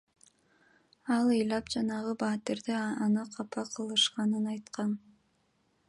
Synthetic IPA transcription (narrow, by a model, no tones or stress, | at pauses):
ɑlˠɯjlˠɑpd͡ʒɑnɑʁɯbɑːt̪iɾd̪eɑnɯqʰɑpʰɑqʰɯlˠɯʃqɑnɯnɑjt̪qɑn